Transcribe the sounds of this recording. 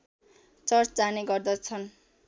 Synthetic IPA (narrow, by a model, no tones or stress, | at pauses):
t͡sʌrt͡sd͡zaneɡʌrd̪ʌt͡sʰʌn